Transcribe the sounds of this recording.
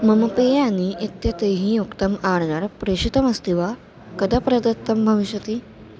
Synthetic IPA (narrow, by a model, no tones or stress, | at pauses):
məməpejaniʔet̪jat̪eɦĩjokt̪əmaɽnaɾpɾeɕit̪əməst̪iʋa | kəd̪apɾəd̪ət̪ːəmbʱəʋiɕjət̪iː